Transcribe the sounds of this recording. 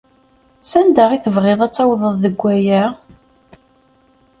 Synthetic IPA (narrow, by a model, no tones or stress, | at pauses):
sænd̪aʁiθəvʁeðˤæt͡sːawðˤəðˤðəɡʷːæjæ